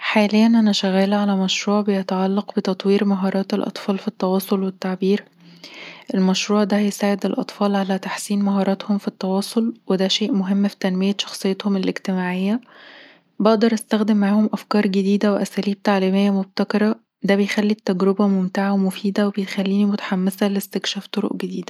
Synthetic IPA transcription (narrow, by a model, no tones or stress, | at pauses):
ħaːlejːænʔænæʃæɣæːlʕalæmæʃɾuːʕbejet̪ʕalːɑqbet̪ɑt̪ˤwiːɾmæɦɑːɾˤɑːt̪elʔɑ̰t̪ˤfɑːlfit̪ːɑwɑːsˤolwet̪ːaʕbiːɾ | ʔelmæʃɾuːʕd̪æhjesaːʕed̪elʔɑ̰t̪ˤfɑːlʕalæt̪aħsiːnmæɦɑːɾˤɑːt̪homfit̪ːɑwɑːsˤolwed̪æʃeːʔmoɦemːfi̥t̪ænbejæʃɑ̥xsˤejːet̪homelʔeɡt̪emaːʕejːæ | beʔd̪ɑɾˤʔæst̪æxd̪emːaʕaːhomʔæfkɑːɾˤɡed̪iːd̪æweʔæsæːliːb̚t̪aʕliːmejːæmob̚t̪ækɑɾˤɑ | d̪æbejxælːit̪ːæɡɾobæmomt̪eʕawemofiːd̪æwebejt̪xælːiːnimot̪ḁħamːesælest̪ekʃæːft̪ˤoɾo̰ʔɡed̪iːd̪æ